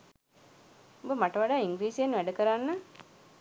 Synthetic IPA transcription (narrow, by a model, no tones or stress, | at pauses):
obəmaʈəʋaɖaːiŋɡɾiːsienːʋæɖəkəɾanːə